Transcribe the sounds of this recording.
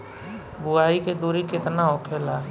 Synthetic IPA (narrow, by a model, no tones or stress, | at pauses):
buaːiked̪uɾikɪt̪naokʰela